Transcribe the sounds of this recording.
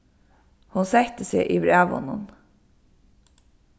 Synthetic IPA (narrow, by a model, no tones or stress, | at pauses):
hʊnsɛçt̪əsḛːʔiːbɾæːʋɔ̰nən